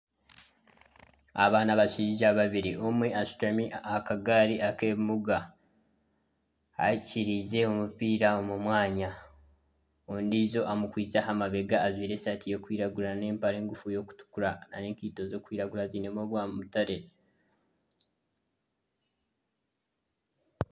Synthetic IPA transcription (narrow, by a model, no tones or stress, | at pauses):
a̰βaːnaβaʃiʒaβaβiɾiomweaʃu̥tamiakaɡaːɾiʔakeːβmuɡa | a̰ciɾize̞omupiːɾao̞mumwaːɲa | ondizo̞ʔamukwiːt͡saɦamaβe̞ɡaːzwiːɾe̞satijo̞kwiːɾaɡuɾane̞ːmpaɾe̞ːŋɡufujo̞ːku̥tu̥kuɾana̰ne̞ːŋkiːto̞zo̞ːkwiːɾaɡulazinemoβwaːmutaɾe̞